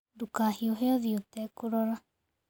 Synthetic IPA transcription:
dukahioɦeoðiut̪ekuɾoɾa

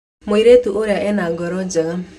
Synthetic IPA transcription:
moiɾetuʔoɾjaʔɛnaɡɔɾɔd͡ʒa

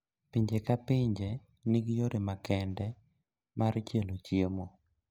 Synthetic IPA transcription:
piɲd͡ʒekapɪɲd͡ʒe | niɡjoɾemakɛndɛ | mart͡ʃelot͡ʃjemo

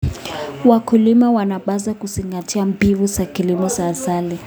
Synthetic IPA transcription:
wakulimawanaɓazakusiŋɡatʰiambivusakilimɔsazali

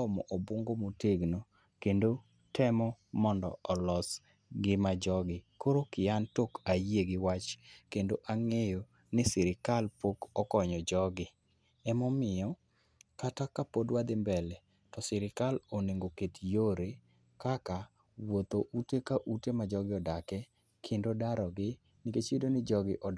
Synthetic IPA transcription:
ɔmɔ̰ʔɔboŋɡomoteɡno | kendo | tʰɛmɔmɔndɔ̰ɔlɔs | ɡɪmad͡ʒɔɡɪkoɾokɪjantokajeɡɪwat͡ʃkendoʔaŋejo | nɪsɪɾɪkalpokɔkɔɲɔd͡ʒɔɡɪ | ɛmɔmɪɔ | katakapodwad̪ɪmbɛlɛ | tɔsɪɾɪkaloneŋɡoketjoɾe | kaka | wot̪oʔutekaʔutemad͡ʒɔɡɪɔdakɛ | kʰendodaɾɔɡɪ | nɪket͡ʃidonɪd͡ʒɔɡɪʔɔ

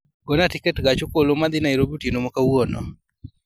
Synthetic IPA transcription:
ɡɔnatikɛtɡat͡ʃokolomad̪inaiɾobutinomɔkawɔnɔ̰

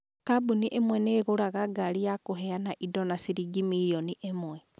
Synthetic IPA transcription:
kabuniʔemwɛneɣoɾaɣaɡalijakoɦeanaʔidɔnasiɾiɡimijoniʔemwɛ

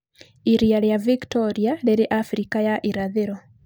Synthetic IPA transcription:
iɾiaɾjaviktɔɾialeɾiʔafɾikajaʔiɾaðeɾɔ

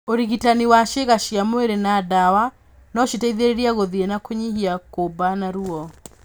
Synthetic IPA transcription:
oɾiɣitaniwaʃeɣaʃiamweɾenadawa | nɔʃitaiðeɾeɾiaɣoðienakoɲihiakobanaɾuɔ

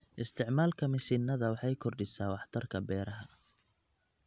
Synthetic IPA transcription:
ʔɪst̪ʰɪʕmaːlkʰɐmɪʃɪnːɐðɐwɑħɑjkʰɔrɖɪsaːwɑħt̪ʰɐrkʰɐbɛːɾɐɦɐ

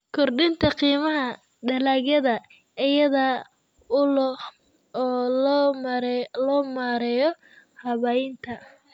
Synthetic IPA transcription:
kʰɔrɖɪnt̪ʰɐqiːmɐɦɐ | ɖɐlaːɣjɐðɐ | ɪjɐðɐ | ʊlɔ | ɔː | ɾlɔːmaːɾɛːjɔ | hɐβɐjɪnt̪ʰɐ

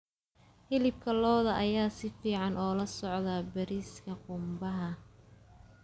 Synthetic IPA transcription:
hɪlɪb̚kʰɐlɔːðɐʔɐjaːsɪfiːʕɑnɔːlɐsɔʕðɐbɐɾiːskʰɐqʊmbɐɦɐ

